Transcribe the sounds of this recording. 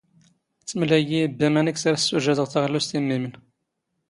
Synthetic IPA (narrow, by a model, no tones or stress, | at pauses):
t͡sːəmlæjibːæmænəksaɾæsːuʒæd̪əʁθaʁəlːust̪imːimən